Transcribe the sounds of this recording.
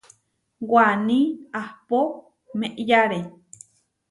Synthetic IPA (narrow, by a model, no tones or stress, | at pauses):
waniahpo | meʔjaɾe